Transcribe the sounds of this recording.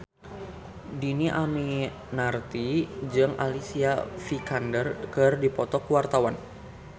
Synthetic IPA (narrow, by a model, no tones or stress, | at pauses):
diniʔami | nart̪id͡ʒɨŋa̰lisiafikandərkɨrdipɔt̪ɔkuwart̪awan